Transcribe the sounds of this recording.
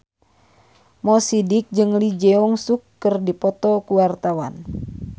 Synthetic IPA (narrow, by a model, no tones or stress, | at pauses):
mɔsidik̚d͡ʒɨŋlid͡ʒɛɔŋsukːərdipɔt̪ɔkuwart̪awa̰n